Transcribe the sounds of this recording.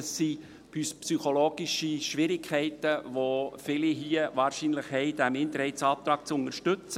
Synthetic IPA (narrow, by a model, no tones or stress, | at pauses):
əsːi | yspsyχoloːɡ̥iʃiʃʋɪɾɪkʰːɛɪtəʋofɪliɦiəʋɑːɾʃiːnlɪχhɛɪd̥æmɪnt̪əɾhɛɪsɑːp̚t̪ɾɑːk̚t͡sʊnəɾʃtʏt͡sə